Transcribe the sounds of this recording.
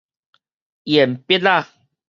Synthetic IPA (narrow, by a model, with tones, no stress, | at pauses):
jɛ˨m̩˨pe˦la˦˨